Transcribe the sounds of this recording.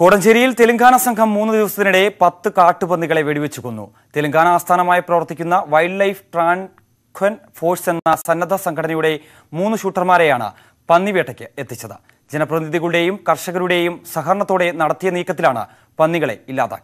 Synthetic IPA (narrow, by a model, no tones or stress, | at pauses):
koːɽɐmɕeɾijilt̪eluŋɡʱaːnɐsɐŋkʰɐmːuːnːɨd̪iʋɐsɐt̪ːinuɽe̞pɐt̪ːɨkaːʈːɨpɐnːiɣɐɭe̞ʋeɽiʋet͡ɕːuɣonːṵ | t̪e̞luŋɡʱaːnɐaːst̪ʰaːnɐmaːjiprɐʋɐrt̪ːikʲːunːɐʋɐjɖlɐjfʈraːn | kʰʋɐnfo̞ːrsenːɐsɐnːɐd̪ʱɐsɐŋkʰɐɽɐnɐjuɽe̞ | muːnːuɕuːʈːɐrmaːɾejaːɳɨ̰ | pɐnːiʋeʈʰːɐkʲːɨet̪ːit͡ɕːɐðɨ̰ | d͡ʑenɐprɐðiðiɣɐɭuɽe̞jumkɐrʂɐɣɐɾuɽe̞jumsɐɦɐɾɐɳɐt̪ːo̞ːɽe̞nɐɽɐt̪ːijɐniːkːɐt̪ːilaːɳɨ̰ | pɐnːiɣɐɭe̞̰ilːa̰ːðɐ̰